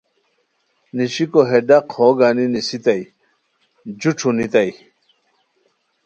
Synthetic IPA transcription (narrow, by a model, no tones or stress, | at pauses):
niɕikoɦeɖaqʰhoɡaːninisit̪aj | d͡ʑuʈ͡ʂʰunit̪ɐj